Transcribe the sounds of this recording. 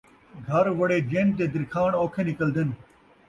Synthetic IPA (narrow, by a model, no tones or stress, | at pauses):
ɡʱɐɾʋɐɽeːd͡ʒeːnt̪eːd̪ɪɾkʰaːɳoːkʰenɪkəld̪en